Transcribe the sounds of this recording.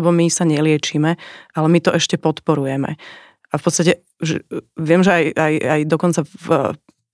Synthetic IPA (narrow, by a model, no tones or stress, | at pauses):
bɔmisaɲɛlɪɛt͡ʃimɛʔalɛmit̪ɔʔɛʃcɛpɔt̪pɔɾujɛmɛ̰ | afpɔt̪t͡sst̪acɛ | ʒɛʋɪɛmʒɛajajajd̪ɔkɔnt͡sa